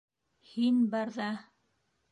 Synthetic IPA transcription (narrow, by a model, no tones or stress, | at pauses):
hinbɑɾðɑ